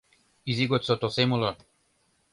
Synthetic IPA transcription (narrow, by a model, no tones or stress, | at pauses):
iziɡɔt̪sɔt̪ɔsemula